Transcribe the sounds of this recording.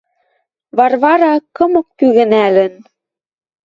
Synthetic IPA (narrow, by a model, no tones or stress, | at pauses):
βɑrβɑɾɑkːɤ̆mɤ̆k̚pyɣɘ̆nælə̆n